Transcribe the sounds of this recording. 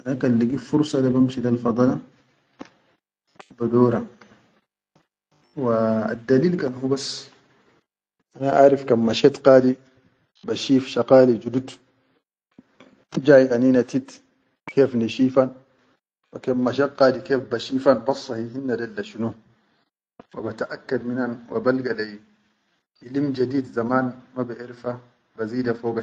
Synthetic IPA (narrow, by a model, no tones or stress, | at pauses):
ʔanakalːiɡifuɾsˤɑdabamʃidalfɑd̪ˤɑlɑ | bad̪oːɾa | waa̰d̪ːaliːlkanhubasː | ʔanaʔaːɾifkamːaʃet̪qaːd̪i | baʃiːfʃɑqaːlid͡ʒud̪ud̪ | d͡ʒaːjʔaninat̪it̪ | keːfniʃiːfan | wakamːaʃ̬et̪qaːd̪ikeːfbaʃiːfanbɑsˤːɑhihinːadalːaʃunu | wabat̪aʔakːad̪minanwʔa̰balɡalaj | ilimd͡ʒad̪iːd̪zamaːnmabaʔiɾfa | baziːdafoːɡa